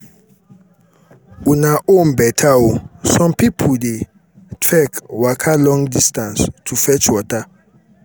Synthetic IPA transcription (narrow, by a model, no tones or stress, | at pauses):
unaʔõnbɛtʰaosɔ̃mpipʰude | tʰɹɛkwakʰalɔ̃ŋdistãnstʰufɛt͡ʃwɔta